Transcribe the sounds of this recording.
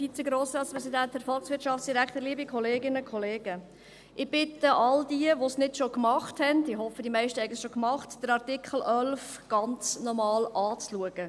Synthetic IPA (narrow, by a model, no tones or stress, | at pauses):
fit͡sɛɡɾoːsɾɑːtspɾɛsidænthæɾfɔlˠksʋɪɾtʃɑftt͡ssd̥iɾækχtəɾliəbikʰɔleːɡɪnəkʰɔleːɡ̥ə | ʔɪb̥ɪtəʔɑldiəʋosnɪtʃokmɑχthɛndɪɦɔfədimæɪʃtəhɛɪəlʃokmɑχtd̥əɾɑrtɪkχl̩ʔœlf | ɡ̥ɑnt͡snɔmɑːlɑːt͡sluəɡ̥ə